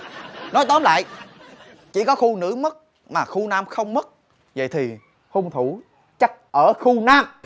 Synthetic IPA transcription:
nɔ˨˦jt̪ɔ˨˦mla̰ː˧˨j | t͡ɕi˧˩kɔ˨˦xu˧nɨ̰˧˥mə˦˥t̚ | maː˨˩xu˧naː˧mxə˧wŋ͡mmə˦˥t̚ | və̰˧˨jt̪ʰi˨˩ | ho˧ŋ͡mt̪ʰu˧˩ | t͡ɕa˦˥k̚ʔəː˧˩xu˧naː˧m

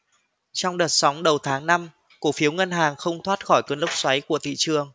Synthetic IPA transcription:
t͡ɕɔ˧wŋ͡mɗəː˨˩t̚sa˨˦wŋ͡mɗə˨˩wt̪ʰaː˨˦ŋna˧m | ku˧˩fi˨˦əwŋə˧nɦaː˨˩ŋxə˧wŋ͡mt̪ʰwaː˦˥t̚xɔ˧˩jkəː˨˦nlwk͡p̚swa˨˦jku˧˩ət̪ʰḭ˧˨t͡ɕɨ˨˩əŋ

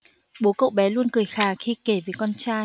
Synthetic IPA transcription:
ɓo˨˦kə̰˧˨wɓɛ˨˦lu˧ənkɨ˨˩əjxaː˨˩xi˧ke˧˩vəː˨˦kɔ˧nt͡ɕaː˧

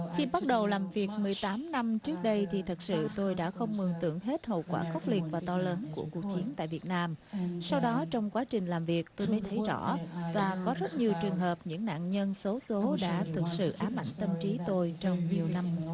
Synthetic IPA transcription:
xi˧ɓa˦˥t̚ɗə˨˩wlaː˨˩mvi˨˩ək̚mɨ˨˩əjt̪aː˨˦mna˧mt͡ɕɨ˦˥ək̚ɗə˧jt̪ʰi˨˩t̪ʰɨ˨˩t̚sɨ̰˧˨t̪o˧jɗa̰ː˧˥xə˧wŋ͡mmɨ˨˩əŋt̪ɨ̰˧˩əŋɦe˦˥t̚ho̰˧˨wkwaː˧˩xə˦˥k͡p̚li˨˩ət̚vaː˨˩t̪ɔ˧ləː˨˦nku˧˩əku˨˩ək̚t͡ɕi˨˦ənt̪a̰ː˧˨jvi˨˩ət̚naː˧msa˧wɗɔ˨˦t͡ɕɔ˧wŋ͡mkwaː˨˦t͡ɕï˨˩ŋ̟laː˨˩mvi˨˩ək̚t̪o˧jmə˨˦jt̪ʰə˨˦jzɔ̰˧˩vaː˨˩kɔ˨˦zə˦˥t̚ɲi˨˩əwt͡ɕɨ˨˩əŋɦəː˨˩p̚ɲɨ̰˧˥ŋna̰ː˧˨nɲə˧nso˨˦so˨˦ɗa̰ː˧˥t̪ʰɨ˨˩k̚sɨ̰˧˨ʔaː˨˦mːa̰˧˩˨jŋ̟t̪ə˧mt͡ɕi˨˦t̪o˧jt͡ɕɔ˧wŋ͡mɲi˨˩əwna˧m

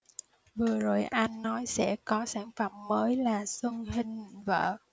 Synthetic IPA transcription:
vɨ˨˩əzo˨˩jʔa˧jŋ̟ːɔ˨˦jsɛ̰˧˥kɔ˨˦saː˧˩ŋfə˧˩mːəː˨˦jlaː˨˩swə˧ŋɦï˧ŋ̟və̰ː˧˨

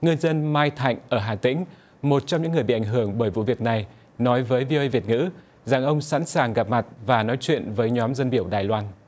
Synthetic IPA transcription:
ŋɨ˧ənzə˧nmaː˧jt̪ʰa̰˧˨jŋ̟ʔəː˧˩ɦaː˨˩t̪ï˧˥ŋ̟ | mo˨˩t̚t͡ɕɔ˧wŋ͡mɲɨ̰˧˥ŋːɨ˨˩əjɓḭ˧˨ʔa˧˩ŋ̟ɦɨ˧˩əŋɓəː˧˩jvṵ˧˨vi˨˩ək̚na˨˩j | nɔ˨˦jvəː˨˦jvi˧o˧ə˧vi˨˩ət̚ŋɨ̰˧˥ | za˨˩ŋʔə˧wŋ͡msa̰˧˥nsaː˨˩ŋɣa˨˩p̚ma˨˩t̚vaː˨˩nɔ˨˦jt͡ɕwḭ˧˨ənvəː˨˦jɲɔ˨˦mzə˧nɓi˧˩əwɗaː˨˩jlwaː˧n

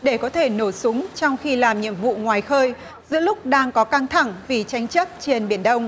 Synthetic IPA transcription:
ɗe˧˩kɔ˨˦t̪ʰe˧˩no˧˩sʊ˨˦ŋ͡mt͡ɕɔ˧wŋ͡mxi˧laː˨˩mɲḭ˧˨əmvṵ˧˨ŋwaː˨˩jxəː˧j | zɨ̰˧˥əlʊ˦˥k͡p̚ɗaː˧ŋkɔ˨˦ka˧ŋt̪ʰa˧˩ŋvi˨˩t͡ɕa˨˦jŋ̟t͡ɕə˦˥t̚t͡ɕe˧nɓi˧˩ənɗə˧wŋ͡m

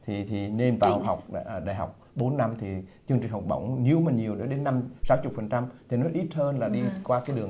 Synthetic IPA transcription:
t̪ʰi˨˩t̪ʰi˨˩ne˧nvaː˨˩wɦa˨˩wk͡p̚ːɗa̰ː˧˨jɦa˨˩wk͡p̚ | ɓo˨˦nːa˧mt̪ʰi˨˩t͡ɕɨ˧ŋt͡ɕ̟ɦa˨˩wk͡p̚ɓə̰˧˩wŋ͡mɲi˨˧əwmə˨˩ɲi˨˩əwɗo˨˦ɗe˨˦nːa˧msaː˨˦wt͡ɕʊ˨˩k͡p̚fə˨˩nt͡ɕa˧mt̪ʰi˨˩nɔ˨˦jʔi˦˥t̚həː˧nlaː˨˩ɗi˧kwaː˧kaː˨˦jɗɨ˨˩əŋ

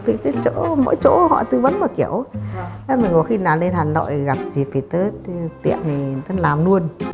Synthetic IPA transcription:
t̪ʰi˨˩kɨ˨˦t͡ɕo̰˧˥mo̰˧˥˦jt͡ɕo̰˧˥hɔ̰˧˨t̪ɨ˧və̰˧˥nməː˨˩ki˧˩əwə˨˦mï˨˩ŋko˧˨˩xi˧naː˨˩wle˧nhaː˨˩nlo̰˧˨jɣa˨˩p̚zi˨˩p̚fi˨˩t̪əː˨˦t̪ḭ˧˨əni˨˩t̪ə˨˦laː˨˩mnu˧ən

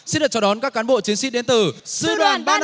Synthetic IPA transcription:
si˧˥nɗɨ˨˩t͡ɕɔ˧˥ɗɔ˨˦nkaː˦˥kːaː˨˦nɓo̰˧˨t͡ɕi˨˦ənsi˧˥ɗe˨˦nt̪ɨ˨˩sɨ̰˧ɗwaː˧˨˧nɓaː˧n

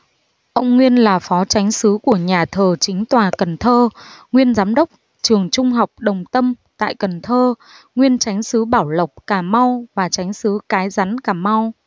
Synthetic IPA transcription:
ʔə˧wŋ͡mŋwi˧ənlaː˨˩fɔ˨˦t͡ɕa˨˦jŋ̟sɨ˨˦ku˧˩əɲaː˨˩t̪ʰəː˨˩t͡ɕï˨˦ŋ̟t̪waː˨˩kə˨˩nt̪ʰəː˧ŋwi˧ənzaː˨˦mɗə˦˥wk͡p̚ | t͡ɕɨ˨˩əŋt͡ɕʊ˧ŋ͡mɦa˨˩wk͡p̚ɗə˨˩wŋ͡mt̪ə˧mt̪a̰ː˧˨jkə˨˩nt̪ʰəː˧ | ŋwi˧ənt͡ɕa˨˦jŋ̟sɨ˨˦ɓaː˧˩wlə˨˩wk͡p̚kaː˧˩ma˧wvaː˨˩t͡ɕa˨˦jŋ̟sɨ˨˦kaː˨˦jza˨˦nkaː˧˩ma˧w

